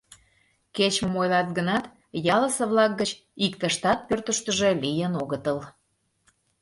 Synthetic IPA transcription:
ket͡ɕməmojlɑt̪̚ɡənɑt̪ | jɑləsə̆βlɑk̚ɡət͡ɕ | ikt̪əʃt̪ɑt̪̚pørt̪əʃt̪əʒe̽lijənoɣət̪əl

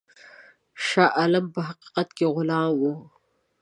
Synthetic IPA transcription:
ʃɑːʔalampəɦaqi̥qat̪keɣʊlɑːmwo

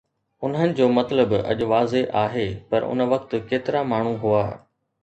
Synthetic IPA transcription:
ʊnɦənɪ̆d͡ʑoːmɐt̪ləbɐ̰ʄʊ̆ʋaːzeʔaːɦeːpɐɾʊ̰nʋɐkt̪ʊ̆keːt̪ɪɾamaːɳ̤uɦuaː

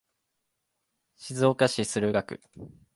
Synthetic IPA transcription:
ɕizo̞ːkaɕisɨɾɯ̟ɡakɯ̟̰

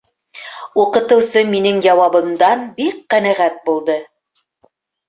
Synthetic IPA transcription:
uqɤ̆t̪ɤ̆wsɤminɘŋjɑwɑβɤ̆md̪ɑnbik̚qænæʁæt̪̚bulˠd̪ɤ

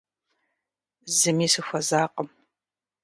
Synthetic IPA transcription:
zɨmiːsɨxʷɐzaːqəm

